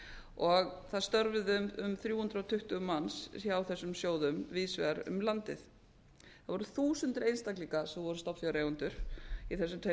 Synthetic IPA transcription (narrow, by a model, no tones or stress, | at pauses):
ɔɣθaðst̪œɾvʏðʏmʏmθɾjuːhʏnt̪ɾawt̪ʰʏht̪ʏmanssaaːwθɛsːʏmsjoːwðʏmviːsvɛ̰ɾʏ̰mlant̪ɪθ | θaðvɔɾʏθuːsʏnt̪ɾejnst̪akliŋkasɛvɔɾʏst̪ɔpfjaɾeːjɣʏnt̪ʏɾ̥iθɛsːʏmt̪ʰe